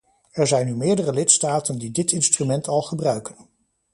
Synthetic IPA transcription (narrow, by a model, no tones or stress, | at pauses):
ɛɹzɛjnːymɪːɹdərəlɪtstaːtəndidɪtɪnstrymɛntɑlˠχəbrœɥkən